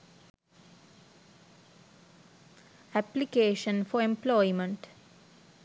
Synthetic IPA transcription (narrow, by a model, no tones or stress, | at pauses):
æplikeːʃə̃nfɔɾẽmplɔɪmə̃ɳʈ